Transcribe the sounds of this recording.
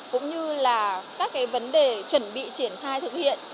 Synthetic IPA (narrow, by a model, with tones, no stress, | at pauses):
kʊ̰˧˥ŋ͡mɲɨ˧laː˨˩kaː˦˥k̚ːaː˨˦jvə˨˦nɗe˨˩t͡ɕwə˧˩nɓḭ˧˨t͡ɕi˧˩ənxaː˧jt̪ʰɨ˨˩k̚hḭ˧˨ən